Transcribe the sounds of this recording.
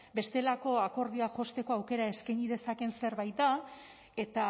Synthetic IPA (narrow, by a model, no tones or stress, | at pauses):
be̞st̪e̞lako̞ako̞ɾðiaʝo̞st̪e̞ko̞awke̞ɾae̞skajɲiðe̞sake̞nse̞ɾβajt̪̚d̪a | e̞t̪a